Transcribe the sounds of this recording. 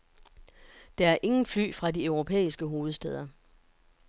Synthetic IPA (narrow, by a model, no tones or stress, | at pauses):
d̥ɑ̈æɐʔe̝ŋn̩fly̰ːfʁɑ̈diœʊʁo̝pʰḛːisɡ̥əɦo̝ːð̩ˠsd̥eð̞ˠɐ